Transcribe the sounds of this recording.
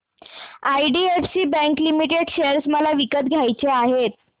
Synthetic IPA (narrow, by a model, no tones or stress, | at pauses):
ajɖiefsiːbɛ̃ŋklimiʈeɖɕeəɾsməlaʋikət̪̚ɡʱjajt͡seaɦet̪̚